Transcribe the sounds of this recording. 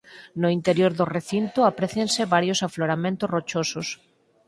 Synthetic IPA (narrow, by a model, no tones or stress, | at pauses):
nʊint̪eɾjoɾðʊreθint̪oapɾeθjensɪβaɾjosafloɾamẽnt̪ʊrot͡ʃosʊs